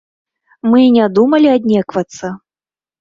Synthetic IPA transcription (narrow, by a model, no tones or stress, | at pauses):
mɨnʲad̪umɐlʲiad̪ʲnʲɛkvɐt̪sːɐ